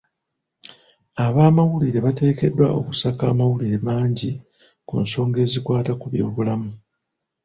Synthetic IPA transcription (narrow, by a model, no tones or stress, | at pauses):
aβaːmawuliɾe̞βate̞ːke̞dːwaʔo̞̰ku̥sakaːmawuliɾe̞maːɲɟi | kṵnso̞ːŋɡe̞ːzikwaːtakuβjo̞ːβulamu